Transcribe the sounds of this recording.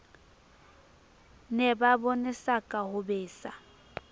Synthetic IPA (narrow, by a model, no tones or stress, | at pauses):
nɛbabɔnɪsakʼahʊbeːsa